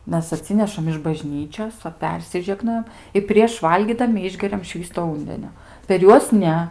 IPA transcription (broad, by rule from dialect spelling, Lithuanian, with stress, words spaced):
ˈmʲɛs ɐˈtʲsʲɪnʲɛʃɐm ɪʃ bɐˈʒʲnʲiːt͡ʃʲoːs ˈʋɐ ˈpʲɛrʲsʲɪʒʲɛɡnoːjɛm ɪ pʲrʲiɛʃ ˈʋɐlʲɡʲiːdɐmʲɪ ˈɪʒʲɡʲɛrʲɛm ˈʃʲʋʲiːstoː ˈuːnʲdʲɛnʲoː pʲɛr ˈjuɔs ˈnʲɛ